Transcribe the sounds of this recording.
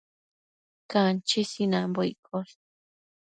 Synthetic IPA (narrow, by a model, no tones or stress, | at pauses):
kant͡ʃisinãmboikʰos